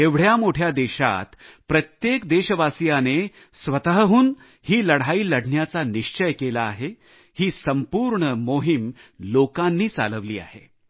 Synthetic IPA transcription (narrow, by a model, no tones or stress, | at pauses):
eʋɽ̤jamoʈʰjad̪eɕa̰t̪pɾət̪jekd̪eɕəʋasjane | sʋət̪əɦəɦuːn | hiːləɽ̤aiːləɽʱɳjat͡saniɕt͡ɕəjkelaːɦe | hiːsəmpuːɾɳəmoɦimlokãnːiːt͡sa̰ləʋlḭːa̰ɦḛ